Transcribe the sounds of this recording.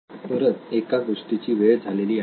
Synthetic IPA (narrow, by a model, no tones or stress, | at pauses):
pəɾət̪ekaɡoʂʈit͡ɕiːʋeɭd͡zʱaleliːa